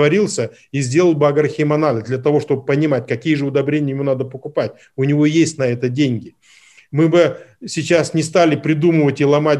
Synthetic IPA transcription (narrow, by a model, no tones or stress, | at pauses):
vɐɾʲilˠsʲə | izʲdʲe̞lˠəlˠbɨɐɡɐrxʲimɐnalʲɪsd̪lʲɐt̪ɐvo̞ʂt̪o̞b̚pənʲɪmat̚ʲkɐkʲijəʐɨʊd̪ɐbɾʲenʲɪjɪmunad̪əpəkʊpatʲ | ʊnʲɪvo̞jesʲtʲnɐɛt̪ədʲenʲɡʲɪ | mɨbɨsʲɪt͡ɕasnʲɪst̪alʲɪpɾʲɪd̪uməvətʲilˠɐma